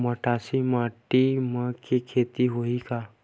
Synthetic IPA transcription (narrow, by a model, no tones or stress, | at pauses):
məʈaːsimaːʈiməkʰekʰeːt̪iɦoika